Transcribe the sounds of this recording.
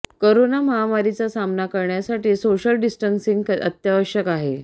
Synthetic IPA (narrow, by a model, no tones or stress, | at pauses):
koɾonaməɦamaɾit͡sasamnakəɾɳjasaʈiːsoɕəlɖisʈənsiŋɡʔə̰t̪jaʋəɕjəkaɦe